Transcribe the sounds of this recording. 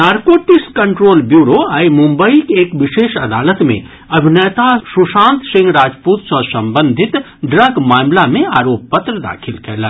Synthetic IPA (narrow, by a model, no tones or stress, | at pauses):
naːɾkoːʈɪkskɐ̃ɳʈɾoːlbjuːɾoaːimʊ̃mbəikeːkʋɪʃeːʃɐd̪aːlət̪mḛ̃ | ɐbʱɪnɛːt̪asʊʃãːnt̪sɪ̃ŋɡɾaːd͡ʒpuːt̪sɔsɐ̃mbə̃nd̪ʱɪt̪ | ɖɾəɡmaːmlamẽaːɾoːp̚pət̪ɾəd̪a̰ːkʰɪlkʰɛːla